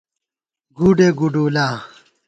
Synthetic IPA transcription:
ɡuɖeɡuɖuːlaː

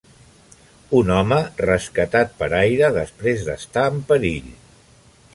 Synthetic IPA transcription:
unɔmərəskət̪at̪̚pəɾajɾəðəspɾezðə̰st̪aəmpəɾiʎ

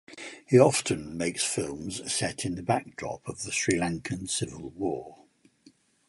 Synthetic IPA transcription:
hiɒftʰə̃nmeɪksfɪlˠmz̥sɛtʰɪ̃nðəbak̚dɹɒ̰pʰəvðəsɹilãŋkʰə̃nsɪvəlˠwɔː

